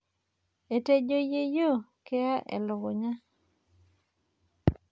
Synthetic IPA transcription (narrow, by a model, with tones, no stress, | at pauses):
e˨te˦d͡ʒo˦je˦jo˦˨ke˦a˦ʔɛ̰˨lʊ˨ɡʊ˨ɲa˦